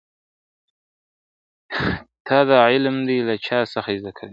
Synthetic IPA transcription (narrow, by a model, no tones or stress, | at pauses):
t̪ʰɑd̪aʕɪlmd̪elat͡ʃʰɑsaxazd̪akʰali